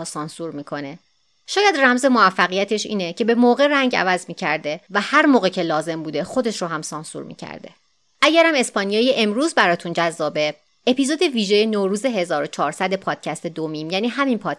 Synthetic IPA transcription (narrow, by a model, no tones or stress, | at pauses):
sɒːnsuːɾmiːkʰo̞ne̞ | ʃɒːjæd̪ræmze̞moæfːæɣijæt̪ʰe̞ʃḭːnecʰe̞be̞moːɣe̞ɾæŋɟæ̰væzmiːcʰæɾd̪e̞væhæɾmoːɣecʰe̞lɒːze̞mbuːd̪e̞xo̞d̪e̞ʃɾoɦæmsɒːnsṵɾmḭcʰæ̰ɾd̪e̞̰ | ʔæɟæɾæme̞spɒːnijɒːjeʔemɾuːzbæɾɒːt̪ʰund͡ʒæzːɒːbe̞ | epizod̪e̞viːʒejenoːɾuːze̞ɦe̞zɒːɾo̞t͡ʃʰɒːɾsæd̪e̞pʰɒːd̪̥̚cʰæst̪e̞d̪omiːmjæniːɦæminpʰɒːd̪